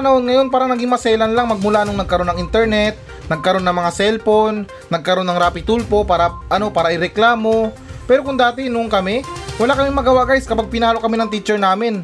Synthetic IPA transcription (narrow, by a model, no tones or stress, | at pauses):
nonŋɐjo̞npaːɾɐŋnɐɡiŋmɐsɛːlɐnlaŋmɐɡ̚mʊlaɐnoŋnɐɡ̚kɐɾo̞nɐŋʔɪnt̪ɛɹnɛt̪̚ | nɐɡ̚kɐɾo̞nːɐŋmɐŋasɛlpo̞nː | ɐɡ̚kɐɾo̞nːɐŋɾapɪt̪ulpo̞paːɾɐʔɐno̞paːɾɐʔɪɾɛklaːmo̞ | pɛːɾo̞kʊŋd̪aːt̪ɪnoŋkɐmɛwɐlakɐmɪŋmɐɡɐwaɡajskɐpaɡ̚pɪnaːlokɐminɐŋt̪it͡ʃɛɹnaːmɪn